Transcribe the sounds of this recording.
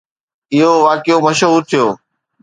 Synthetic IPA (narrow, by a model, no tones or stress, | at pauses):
ɪɦoʋaːkɪjõmɐʃɦuːɾt̪ʰɪjoː